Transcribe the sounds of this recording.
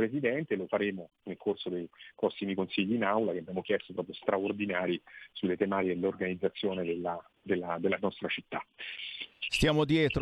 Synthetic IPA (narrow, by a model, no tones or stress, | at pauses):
pɾezid̪ɛnt̪elofaɾeːmo | nelkorsod̪ejpɾɔsːimikonsiʎːiːnawlakeabjamokjɛst̪opɾɔːpɾjost̪ɾʔaord̪inaːɾisulːet̪emaːt̪iked̪elorɡanid̪zːat̪sːjoːned̪elːa | d̪elːad̪elːanɔst̪ɾat͡ʃit̪ːa | st̪jaːmod̪jɛːt̪ɾ